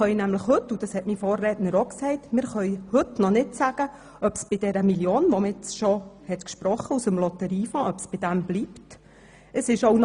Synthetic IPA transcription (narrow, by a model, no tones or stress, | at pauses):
œjnæmləχhɵtːud̥ɑshɛtmifoːrːɛːtnəɾoːksɛɪtmɪːɾχœjhɵtnɔnɪtsæɡ̥ə | œpsb̥id̥ɛɾəmiljoːnʋɔməɪt͡sʃɔhɛt̪kʃpɾɔχːəusəmlɔtəɾiːfɑ̃ʔœpsb̥id̥æmbliːpt | əsɪʃown